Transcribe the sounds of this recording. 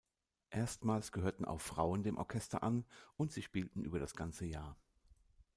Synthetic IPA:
ʔeːɐstmaːlsɡ̥əɦøːɐtn̩ʔa̰ʊffʁ̥aʊəndeːmʔɔ̰ɐkʰɛstɐ̰ʔanʔʊntz̥iːʃpiːltn̩ʔyːbɐɾasɡ̥ant͡səjaːɐ

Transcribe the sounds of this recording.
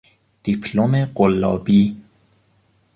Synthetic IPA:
d̪̥ipʰlomeɢolːɒ̰ːbiː

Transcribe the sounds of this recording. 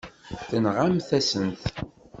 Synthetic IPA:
θənʁamθæsənθ

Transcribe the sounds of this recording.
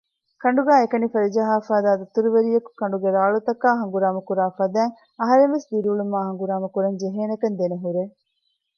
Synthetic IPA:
kɐɳɖuɡæːekɐnifɐɾid͡ʒɐɦaːfaːd̪aːd̪ɐt̪uɾuʋeɾijɐku̥kɐɳ̆ɖuɡeɾaːɭut̪ɐkaːɦɐŋɡuɾaːmɐkuɾaːfɐd̪æːŋ | ɐɦɐɾeŋʋesd̪iɾuːɭumaːɦɐŋɡuɾaːmɐkuɾɐnd͡ʒeɦeːnɐkɐnd̪eneɦuɾe

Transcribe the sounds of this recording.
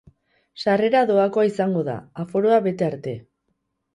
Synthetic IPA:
sare̞ɾaðo̞ako̞aisaŋɡo̞ða̰afo̞ɾo̞aβe̞t̪e̞aɾt̪e̞

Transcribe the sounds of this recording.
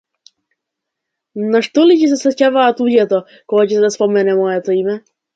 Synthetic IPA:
naʃt̪ɔlicɛs̬ɛsɛcavaːt̪uɟɛt̪ɔ | kɔɡacɛsɛd̪aspɔmɛnɛmɔjɛt̪ɔimɛ

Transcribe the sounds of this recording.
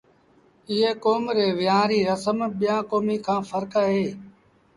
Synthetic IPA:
ɪɦeːkoːmɾeːʋɪjãːɾiːɾəsəmɓɪjãːkoːmiːkʰãːfʰəɾkaːɦeː

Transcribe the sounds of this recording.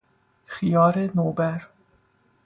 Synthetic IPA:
xijɑːɾenoːbæɾ

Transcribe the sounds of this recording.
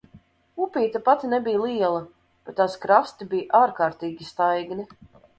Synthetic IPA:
upʲiːt̪apat̪ʲinɛbijlˠiɛlˠɐ | b̥ɛt̪ːaskɾast̪ibijʔaːɾkaːɾt̪iːɡʲist̪ajɡni

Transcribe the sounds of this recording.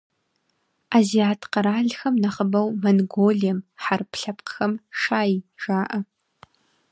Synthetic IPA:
aːziaːtʰqɐɾaːɮxɐmnɐχəbɐwmɐnɡoːɮijɛmħarpʰɬɐpqxɐmʂaːjʈ͡ʂaːʔɐ

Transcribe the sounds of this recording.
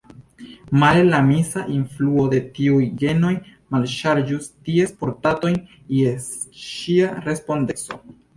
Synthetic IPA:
malelamisaʔinfluo̞de̞tiujɡeno̞jmalʃaɾd͡ʒustie̞spo̞ɾtato̞jn | esʃiaɾe̞spo̞ndeso̞

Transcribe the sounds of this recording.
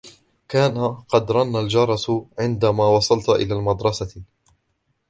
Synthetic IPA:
kaːnaqɑd̪ɾˤɑnːald͡ʒɑɾˤɑsʕɪnd̪amaːwɑsˤɑlt̪ʔɪ̰laːlmɑd̪ɾˤɑsa

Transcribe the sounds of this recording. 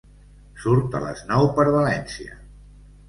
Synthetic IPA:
suɾt̪ə̰lə̰znɔwpəɾβəlɛnsiə̰

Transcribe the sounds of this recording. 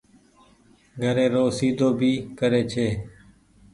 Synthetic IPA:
ɡʱəɾeːɾoːsiːd̪ʱoːbʱiːkəɾeːt͡ʃʰeː

